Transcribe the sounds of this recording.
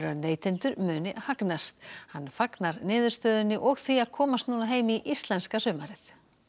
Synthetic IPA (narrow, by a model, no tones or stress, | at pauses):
ɾʏneːjt̪ʰɪnt̪ʏɾmʏːnɪhaknast̪hanːfaknaɾnɪːðʏɾst̪œːðʏnːɪʔɔɣθviaðkʰɔːmast̪nuːnaɦeːjmiʔist̪lɛnskasœːmaɾɪθ